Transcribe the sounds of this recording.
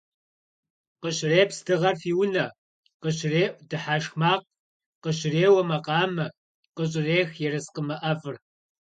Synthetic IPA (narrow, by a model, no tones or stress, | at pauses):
qəɕreːpsdɨʁɐrfiːwʊnɐ | qəɕreːʔʷdɨħaːʂxmaːq̚ʼ | qəɕreːwɐmɐqɑːmɐ | qəɕ̬ʼɪreːxjɛrɨsqəmɐʔɐfʼɨr